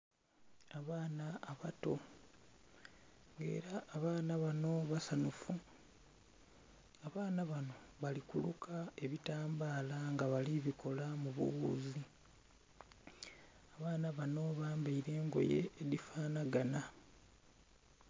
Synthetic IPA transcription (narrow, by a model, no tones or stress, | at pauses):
aβaːnaːβato̞ | ŋɡe̞̰ːɾaːβaːnaβano̞βasanufu | aβaːnaβano̞βalikulukʰae̞βitaːmbaːlaŋɡaβaliβikʰo̞lamuβṵɣuːzi | aβaːnaβano̞βaːmbaiɾe̞ːŋɡo̞̰je̞̰ːdifaːnaɡana